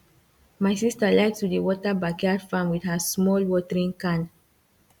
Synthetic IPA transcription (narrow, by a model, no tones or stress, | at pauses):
majsistalaɪktudəwɔtəbakɛdfãmwidhasmɔlwɔtɛɹĩŋkãn